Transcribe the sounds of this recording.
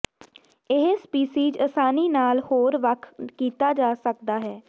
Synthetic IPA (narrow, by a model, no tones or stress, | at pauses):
ɪɦspiːsiːd͡ʒəsaːniːnaːlhoːɾʋəkʰkiːt̪aːd͡ʒaːsək̚d̪aːɦɛː